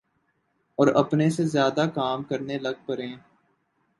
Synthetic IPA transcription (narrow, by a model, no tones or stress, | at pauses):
ɔːɾɐpnesezjaːd̪akaːmkəɾnelɐɡ̚pəɾẽː